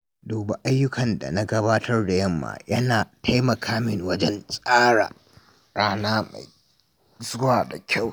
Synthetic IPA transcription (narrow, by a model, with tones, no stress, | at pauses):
doː˨ba˦ʔa˦jːʊ˦kɐ˨nda̰˨na˦ɡɐ˦baː˦tʰɐ˦rda˨jɐ˦˨mːa̰ː˨jɐ˦naː˨tʰa˦jmɐ˨kʰaː˦mɪ˦ŋwɐ˦d͡ʒɛ˦nsʼaː˦ɽa̰˨ | ɽaː˦naː˦ma̰˨j | zʊ˦waː˨da˨kʲʰa˦˨w